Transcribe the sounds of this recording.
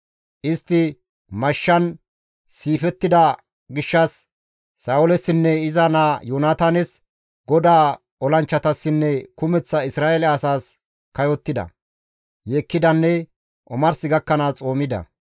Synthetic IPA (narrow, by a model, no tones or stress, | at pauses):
ʔɪst̪ːɪ | mɐʃːɐn | siːfɛt̪ːɪd̪ɐ | ɡɪʃːɐsː | aːʊlɛsːɪnːɛɪzɐnaːjoːnaːt̪aːnɛs | ɡɔd̪aː | ɔlɐnt͡ʃːɐt̪ɐsːɪnːɛkʊmɛt͡sːɐɪsɾaːʔɛlɛɐsaːs | kɐjɔt̪ːɪd̪ɐ̰ | jeːkːɪd̪ɐnːɛ | ʔɔmɐɾsɪɡɐkːɐnat͡sʼo̞ːmɪd̪ɐ̰